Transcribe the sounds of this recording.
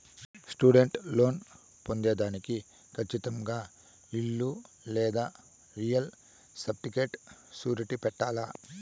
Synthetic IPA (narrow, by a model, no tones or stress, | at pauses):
sʈuːɖeɳʈlo̞ːn | pond̪eːd̪aːniki | kʰɐt͡ʃːit̪ɐŋɡaː | iɭːu | lɛːd̪aː | ɾijɐl | sɐp̚ʈikeːʈsuːɾiʈipɛʈːaːlaː